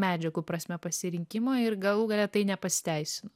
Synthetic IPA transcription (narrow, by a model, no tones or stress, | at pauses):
mʲæːd͡ʒʲɛɡupɾɐsʲmʲɛpɐsʲɪɾʲɪŋʲkʲɪmoːɪɾɡɐlˠuːɡɐlʲɛt̪ɐɪnʲɛpɐsʲɪ̥t̪ʲɛɪsʲɪnʊ